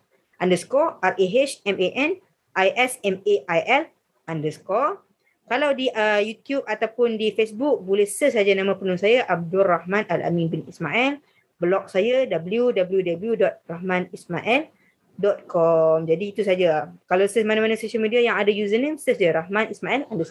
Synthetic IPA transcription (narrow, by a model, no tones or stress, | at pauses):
ʔandəskɔʔarʔeɦet͡ʃɛmeʔɛn | ʔajʔɛsɛmeʔajʔɛl | ʔandəskɔ | kalawdiʔəjut̪jub̚at̪awpʊndifesbuk̚bulehsəs̬ad͡ʒanãmãpənũnsajaʔab̚dulrahmãnala̰mĩnbinismaʔil | bəlɔk̚sajadabəljudabəljudabəljudɔt̪̚rahmãnismaʔɛl | dɔt̪̚kɔmd͡ʒadiːt̪usad͡ʒakalawsəsmanãmanasoʃalmidiajaŋadajuzənimsəsd͡ʒaɾahmãnismaʔɛlandəsɔ